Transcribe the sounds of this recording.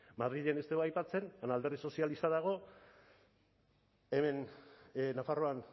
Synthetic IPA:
maðɾiʎenest̪eoajpat͡se̞nanald̪erðiso̞sialist̪aðaɣ̞o̞ | eme̞n | nafaro̞an

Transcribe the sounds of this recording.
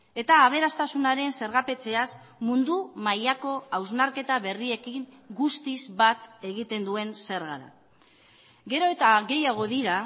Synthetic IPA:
e̞t̪aːβ̞e̞ɾast̪asunaɾe̞nse̞ɾɣape̞t͡se̞as | mund̪umajako̞awznaɾke̞t̪aβe̞rie̞kiŋ | ɡust̪izβat̪e̞ɣit̪e̞nd̪ue̞nse̞ɾɣaða̰ | ɡe̞ɾo̞et̪aɣe̞jaɣ̞o̞ðiɾa

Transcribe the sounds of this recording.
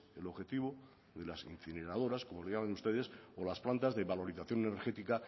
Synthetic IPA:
elo̞βxe̞t̪iβo | ðe̞lasḭn̟θine̞ɾað̞o̞ɾasko̞mo̞leʝamenust̪e̞ð̞e̞solasplant̪azðeβalo̞ɾiθaθjo̞neneɾxe̞t̪ika

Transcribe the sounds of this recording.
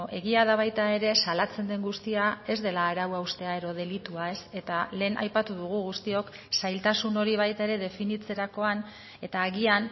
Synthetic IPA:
e̞ɣiaðaβ̞ajt̪ae̞ɾe̞salat͡se̞nd̪e̞ŋɡust̪iae̞zðe̞laːɾawawst̪e̞ae̞ðo̞ð̞e̞lit̪uae̞se̞t̪ale̞ːnʔa̰jpat̪uðuɣ̞uɣust̪io̞k | sajlt̪asuno̞ɾiβ̞ajt̪ae̞ɾe̞ðe̞finit͡se̞ɾako̞an | e̞t̪aːɣian

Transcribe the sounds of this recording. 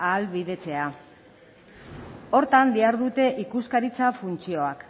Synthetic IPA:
aːlβiðe̞t͡se̞a | o̞ɾt̪and̪iaɾðut̪e̞ʔikuskaɾit͡safunt͡sio̞ak

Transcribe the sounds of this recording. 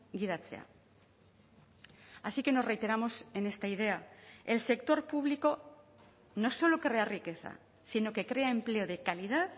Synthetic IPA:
ɡið̞at͡se̞̰a̰ | asike̞no̞re̞jt̪e̞ɾamo̞se̞ne̞st̪aið̞e̞ae̞lse̞kt̪o̞ɾpuβ̞liko̞ | no̞so̞lo̞kɾe̞arike̞θa̰ | sino̞ke̞kɾe̞ae̞mple̞o̞ð̞e̞kalið̞að

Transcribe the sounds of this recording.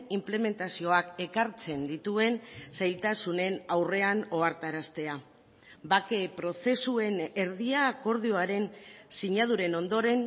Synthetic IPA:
imple̞me̞nt̪asio̞ake̞kaɾt͡se̞nd̪it̪ue̞nsajlt̪asune̞nawre̞ano̞aɾt̪aɾast̪e̞a | bake̞pɾo̞θe̞sue̞ne̞ɾðiaːko̞ɾðio̞aɾe̞nsiɲað̞uɾe̞no̞nd̪o̞ɾe̞n

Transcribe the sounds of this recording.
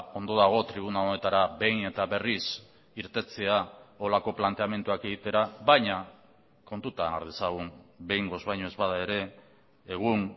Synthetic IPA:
o̞nd̪o̞ðaɣ̞o̞t̪ɾiβ̞unaone̞t̪aɾaβe̞jne̞t̪aβe̞ris | iɾt̪e̞t͡seao̞lako̞plant̪e̞ame̞nt̪uake̞ɣit̪e̞ɾaβajɲa | ko̞nt̪ut̪ana̰ɾðesaɣ̞unbe̞jŋɡo̞zβajɲoezβaðae̞ɾe̞ː | ɣ̞un

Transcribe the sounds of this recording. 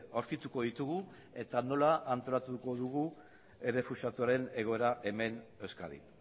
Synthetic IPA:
oɾkit̪uko̞ðit̪uɣu | e̞t̪ano̞laʔant̪o̞lat̪uko̞ðuɣ̞u | ere̞fusat̪uaɾe̞ne̞ɣ̞o̞e̞ɾaʔe̞me̞ne̞wska̰ðḭ

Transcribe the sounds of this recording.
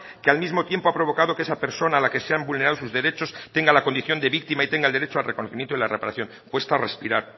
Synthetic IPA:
kealmizmo̞t̪je̞mpoapɾoβo̞kaðo̞keesape̞ɾso̞naːlake̞seambulne̞ɾaðos̬uzðeɾe̞t͡ʃo̞st̪eŋɡalako̞nd̪iθjo̞nd̪e̞βik̚t̪imait̪e̞ŋɡaeld̪eɾet͡ʃoalrekonoθimjent̪oelarepaɾa̰θjo̞ŋ | kwe̞st̪arespiɾaɾ

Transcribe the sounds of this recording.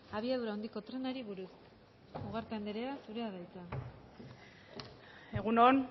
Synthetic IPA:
aβ̞iaðuɾaond̪iko̞t̪ɾe̞naɾiβuɾus | uɣaɾt̪aend̪eɾe̞asuɾe̞aβajt͡sa | e̞ɣunon

